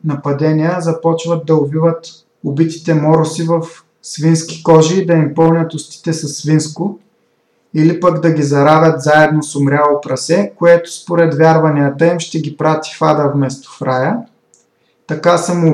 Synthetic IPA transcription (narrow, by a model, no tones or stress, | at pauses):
nɐpɐd̪ɛnʲiəzɐpɔt͡ʃvɐd̪̚d̪ɐʊvivət̪ | ʊbit̪i̥t̪ɛmɔɾʊsivɐf | svinskʲi̥kɔʒiːd̪ɐimpɤlˠnʲɐt̪ʊst̪i̥t̪ɛsɐsːvinskʊ | ilipɐɡd̪ɐɡʲizɐɾavʲjɐt̪zaɛd̪nosʊmɾʲalˠopɾɐsɛkoɛt̪ʊ̥spoɾɛt̪vʲaɾvɐnijət̪ɐimʃt̪ɛɡʲipɾat̪i̥fad̪ɐvmɛst̪o̥fɾajə | t̪ɐkasɐmʊ